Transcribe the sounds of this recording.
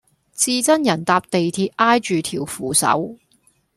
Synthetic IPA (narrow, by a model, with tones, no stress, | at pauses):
t͡siː˧t͡sɐ˥njɐ˨˩nt̪aː˧p̚t̪e˨jt̪ʰiː˧p̚ʔaː˥jt͡ʃyː˨t̪ʰiː˨˩wfuː˨˩sɐ̰˨˥w